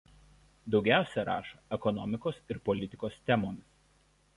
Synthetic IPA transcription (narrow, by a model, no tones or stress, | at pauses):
d̪ɒʊɡʲæˑʊsʲɛɾɑ̰ːʃɐɛkɔnɔmʲɪkoːsɪɾpɔlʲɪt̪ʲɪkoːst̪ʲɛmoːmʲɪs